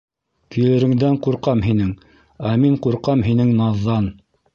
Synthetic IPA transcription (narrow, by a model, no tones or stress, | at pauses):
kɵ̆jɘ̆ɾɘ̆ŋd̪æɴquɾqɑmɦinɘŋ | æmiɴquɾqɑmɦinɘŋnɑðːɑn